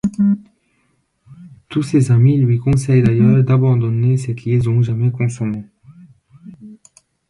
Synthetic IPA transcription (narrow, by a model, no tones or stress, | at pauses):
t̪usezamilɥikɔ̃sɛjd̪ajœːʁd̪abɑ̃d̪ɔnesəkʲʰiezɔ̃ʒamɛkɔ̃sɔme